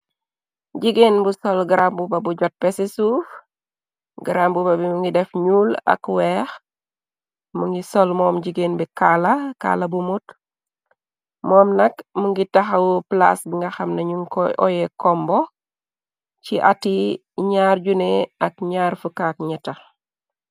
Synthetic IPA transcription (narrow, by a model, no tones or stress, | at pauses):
ɟiɡeːnbusolɡiɾambubabuɟot̚pesesuf | ɡiɾambubabimuŋɡidɛfɲula̰kwɛːx | muŋɡisolmɔːmɟiɡenbikalaka̰ːlɐbumut | mɔːmnɐkmuŋɡitaxawupla̰sbiŋɡaxamnɐɲuŋkɔjekɔmbo | ciʔati | ɲaːɾɟuneakɲaːɾfukak̚ɲɛtal